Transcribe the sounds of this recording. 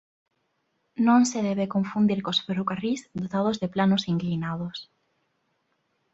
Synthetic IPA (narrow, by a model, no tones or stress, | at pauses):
nõŋseðɛβekõɱfund̪iɾkospeɾukarisd̪ot̪að̞ozðeplanosiŋklinað̞os